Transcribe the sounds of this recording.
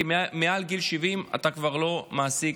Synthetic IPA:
imealɡilʃivima̰t̪akvaʁlo̞maːsi

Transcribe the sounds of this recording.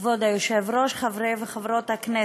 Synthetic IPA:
vod̪ajoʃevɾoʃχavɾejveχavɾot̪haknɛ

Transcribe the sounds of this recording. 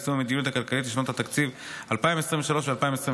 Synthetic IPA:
sumamed̪inut̪hakalkalit̪̬liʃnot̪hat̪akt͡siv | alpaĩmesʁĩɱveʃalo̞ʃvealpaimesʁĩ

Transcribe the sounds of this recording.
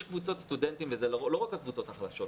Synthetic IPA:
ʃkvut͡so̞t̪st̪udent̪imvezelolo̞ʁakhakvut͡so̞t̪aχlaʃo̞t

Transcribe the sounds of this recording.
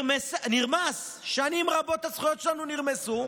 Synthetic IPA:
mesniʁmas | ʃanimʁabo̞t̪hasχujotʃelanuniʁmesu

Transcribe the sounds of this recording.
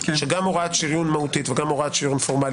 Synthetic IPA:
ʃeɡamoʁat̪ʃiʁjunmahut̪it̪veɡamoʁaat̪ʃiʁjunfoʁmal

